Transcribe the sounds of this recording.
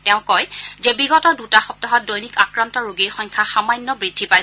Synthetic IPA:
tɛʊ̃kɔjzɛbiɡɔtɔdutaxɔp̚tɔɦɔt̚dojnikakɹantɔɹoɡiɹxɔɲkʰaxamajnːɔbɹidʱːipaj

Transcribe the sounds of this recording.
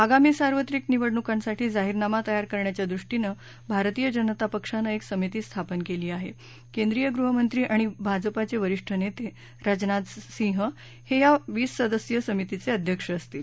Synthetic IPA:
aɡamiːsaɾʋət̪ɾikniʋəɽɳukansaʈʰiːd͡zaɦiɾnamat̪əjaɾkəɾɳjat͡ɕjad̪ɾuʂʈinə | bʱaɾt̪iːjəd͡ʑənət̪apəkʂanəeksəmit̪iːst̪ʰapənkeliːaɦḛ | kẽnd̪ɾijəɡɾuɦəmənt̪ɾiːʔaɽ̃ibʱad͡zəpat͡seʋəɾiʂʈʰənet̪e | ɾad͡znat̪sĩŋɦə | hejaʋiːsːəd̪əsjəsəmit̪it͡seəd̪ʱjəkʂəːst̪iːl

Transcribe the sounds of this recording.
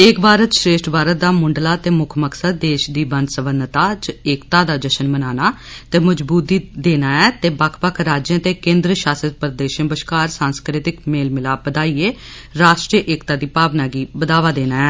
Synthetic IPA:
eːkbaːɾət̪ʃɾeːʃʈbaːɾət̪̚d̪aːmʊɳɖlaːt̪eːmʊkʰməksəd̪̚ːeːʃd̪iːbənsəbənd̪t̪aːd͡ʒəeːkt̪aːd̪aːd͡ʒəʃənmənaːnaː | t̪eːməd͡ʒbuːt̪iːd̪eːnaːɛːt̪eːbakʰpəkʰɾaːd͡ʒãːt̪eːkẽːnd̪ɾəʃaːsət̪̚pəɾd̪eːʃənbəʃkaːɾsãːnskɾɪt̪ɪkmeːlmɪlaːbəd̪aːiːeː | ɾaːʃʈɾijʔeːkt̪aːd̪iːpaːbnaːɡiːbəd̪aːʋaːd̪eːnaːɛː

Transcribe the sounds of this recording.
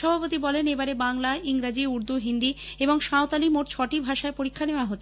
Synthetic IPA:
ʃɔbʱapot̪ibɔlenebaɾebaŋlaʔiŋɾad͡ʑiuɾd̪uɦind̪ieboŋʃaot̪alimoʈt͡ɕʰɔʈibʱaʃaepoɾikʰːaneoaɦot̪ːʰ

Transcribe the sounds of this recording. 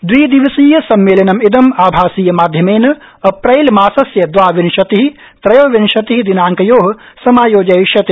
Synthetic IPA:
d̪ʋiːd̪iʋɐsiːjɐsɐmːeːlɐnɐmid̪ɐmaːbʱaːsiːjɐmaːd̪ʱjɐmeːnɐ | ɐpɾɐjlmaːsɐsjɐd̪ʋaːʋinʃɐt̪iɦi | p̪ɾɐjoːʋinʃɐt̪iɦid̪inaːŋkɐjoːɦ | sɐmaːjoːd͡ʒɐʃɐt̪i

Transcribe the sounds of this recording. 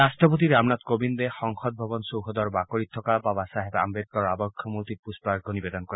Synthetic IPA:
ɾasʈɔpot̪̬iɾamnat̪kobind̪exɔŋxɔd̪̚bʱɔbɔnsowɦɔd̪ɔɾbakɔɾit̪ʰːɔkababasaɦeba̰mbed̪̚kɔɾɔabɔkʰːjɔmuɾt̪ipuspɾaɾɡʱɔnibed̪ɔnkɔɾe

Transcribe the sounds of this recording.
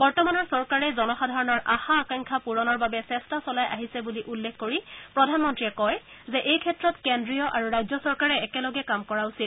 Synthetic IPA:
bɔɹtɔmanɔɹsɔɹkaɹɛzɔnɔxadʱaɹɔnɔɹʔaxaːkaŋkʰapuɹɔnɔɹbabɛsɛstasɔlajʔaɦisɛbuliʔulːekʰkoɹipɹɔdʱanmɔntɹiɛkɔjzɛʔejkʰɛtɹɔtkendɹijɔʔaɹuɹajzɔsɔɹkaɹɛɛkɛlɔɡɛkamkɔɹausil

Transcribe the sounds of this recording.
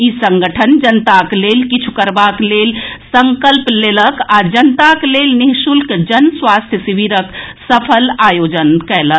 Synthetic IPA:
isəŋɡəʈʰənd͡ʒənt̪aklelkit͡ʃʰu̥kəɾbaklelsəŋkəlpleləkad͡ʒənt̪aklelniɦsulkd͡ʒənsʋast̪ʰjəsibiɾəksəpʰəlajod͡ʒənkɛlək

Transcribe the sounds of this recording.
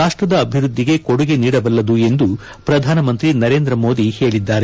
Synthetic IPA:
aːʂʈɾɐd̪ɐːbʱiɾud̪ʱːiɡe̞koɽuɡe̞niːɽɐbɐlːɐd̪ue̞nd̪u | pɾɐd̪ʱaːnɐmɐnt̪ɾinɐɾeːnd̪ɾɐmo̞ːd̪ihe̞ːɭid̪ːaːɾe

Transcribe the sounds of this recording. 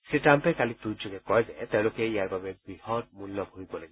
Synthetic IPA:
setampɛkalitud͡ʒoɡɛkɔjzɛt̪eʊ̃lʊkɛijaɹbabɛbɹihɔd̚mulnɔbʱoɹibɔlaɡiɔ

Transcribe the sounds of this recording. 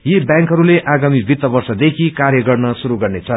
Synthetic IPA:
jebjãŋkɦʌɾuleʔaɡamibʱit̪ːʌbʌrsʌd̪ekʰikaɾjʌɡʌrnʌsuɾuɡʌrnet͡sʰʌ

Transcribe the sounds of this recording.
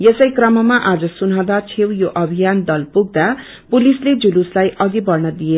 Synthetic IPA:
jesʌjkrʌmʌmaʔad͡zʌsunɦãwd̪at͡sʰewjoʔʌbʱijand̪ʌlpuɡ̚d̪a | pulisled͡zuluslajʔʌɡibʌrnʌd̪ie

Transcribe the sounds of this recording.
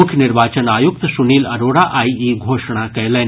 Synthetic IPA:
ʊkʰjənɪɾʋaːt͡ʃənaːjuk̚t̪suniːlɐɾoːɽaʔaːiiːɡʱoːʂɽ̃akɐjleːn

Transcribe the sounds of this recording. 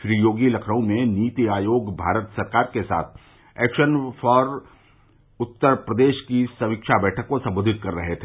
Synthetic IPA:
ʃɾijoːɡilɐkʰɾəõmẽniːt̪iaːjoːɡbʱaːɾət̪sɐɾkaːɾkesa̰ːt̪ʰ | ɛːkʃənfɔːɾ | ʊt̪ːəɾpɾəd̪eːʃkisɐmikʃabɛːʈʰəkːosɐ̃mboːd̪ʱɪt̪̚kɐɾːɐɦet̪ʰeː

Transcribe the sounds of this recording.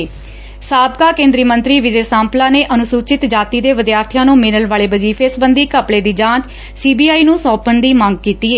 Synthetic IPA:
saːbkaːkẽːnd̪ɾiːmənt̪ɾiːʋɪd͡ʒeːsãːmplaːneːʔənʊsuːt͡ʃɪt̪d͡ʒaːt̪iːd̪eːʋɪd̪jaːɾt̪ʰijãːnũːmɪnəlʋaːɭeːbəd͡ʒiːfʰesbənd̪iːkəpɽeːd̪iːd͡ʒãːt͡ʃ | siːbiːaːiːnũːsɔːpəɳd̪iːmãːŋɡ̚kiːt̪iːeː

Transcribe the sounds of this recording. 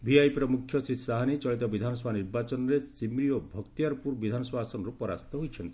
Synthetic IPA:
bʱiajpɾɔmukʰjɔsɾisaɦanet͡ʃɔɭit̪ɔbid̪ʱanɔsɔbʱaniɾbat͡ʃɔnɔɾesimɾijobʱɔkt̪ijaɾpuɾbid̪ʱanɔswasɔnɔɾupɔɾa̰st̪ɔɦojt͡ʃʰɔnt̪i̥

